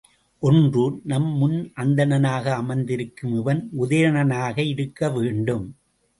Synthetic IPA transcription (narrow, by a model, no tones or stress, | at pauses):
ʔɔndrunɐmːʊnʔɐnd̪ɐnɐnaːɣɐːmɐɪnd̪ɪɾɯkːɯmɪʋɐnʊðɐjɾɐnɐnaːɣɐɪɾɯkːɐʋeːɳɖɯm